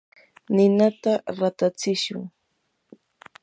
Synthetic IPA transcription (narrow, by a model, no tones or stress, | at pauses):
nɪnat̪aɾat̪at͡sɪʃʊ̰ŋ